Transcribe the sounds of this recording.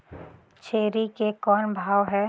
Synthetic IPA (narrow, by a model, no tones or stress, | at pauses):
t͡ʃʰeːɾikekɔːnbʱaːʋɦɛː